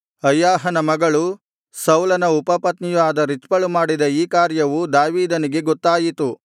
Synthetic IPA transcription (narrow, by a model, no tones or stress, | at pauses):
ɐjːaːɦɐnɐmɐɡɐɭu | sɐwlɐnɐupɐpɐt̪nijʋaːd̪ɐɾit͡ʃ̪pɐɭumaːɽid̪ɐiːkaːɾjɐʋud̪aːʋiːd̪ɐniɡe̞ɡɔt̪ːaːjit̪u